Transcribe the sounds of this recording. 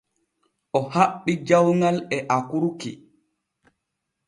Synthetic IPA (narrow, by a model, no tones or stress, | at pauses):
ʔɔhaɓːid͡ʒawŋɡalɛʔakuɾukḭ